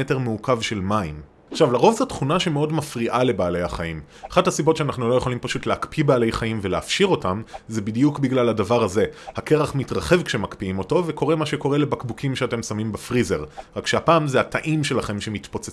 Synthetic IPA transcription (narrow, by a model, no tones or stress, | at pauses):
ete̞ʁmeukavʃe̞lmaḭm | aχʃavlaʁo̞vzotχunaʃemeo̞dmafʁiʔale̞baːle̞jhaχaim | aχathasibo̞tʃeanaχnulo̞je̞χolimpaʃutleakpibaːle̞jχaimveleafʃiʁo̞tamzebidijukbiɡlaladavaʁhaze̞hake̞ʁaχmitʁaχe̞vkʃemakpiimo̞to̞veko̞ʁe̞maʃeko̞ʁe̞le̞bakbukʰimʃeate̞msamimbefʁize̞ʁʁakʃeapaːmzehatʰaʔimʃe̞laχe̞mʃemitpot͡se